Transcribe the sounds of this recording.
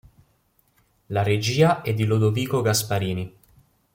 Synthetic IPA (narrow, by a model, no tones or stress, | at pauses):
laɾed͡ʒiːaʔɛd̪ːilod̪oviːkoɡaspaɾiːni